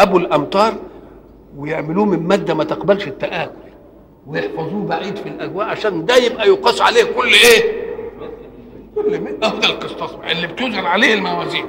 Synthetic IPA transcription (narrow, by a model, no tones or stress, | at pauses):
ʔæbulʔæmt̪ˤɑːɾˤ | wejeʕmɪluːmɪmmæːd̪ːæmæt̪ɪqbælʃɪt̪ːæʔæːxʊl | wejeħfɑzˤuːbaʕiːd̪filʔæɡwæːʔʕaʃæːnd̪æjebʔæjoqɑsˤːʕa̰leːhkʊlːʔeː | kolːmeʔæhd̪ælqesˤt̪ˤɑsˤbʔelːibt̪uːzɑlʕaleːhelmæwæːziːn